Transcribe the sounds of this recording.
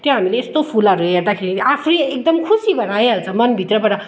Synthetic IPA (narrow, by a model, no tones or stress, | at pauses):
t̪jõɦamileːst̪opʰulʌɾuɦeɾd̪akʰeɾiapʰɾiek̚d̪ʌmkʰusibʱʌɾaeɦʌlt͡sʰʌmʌnbʱit̪rʌpʌʈa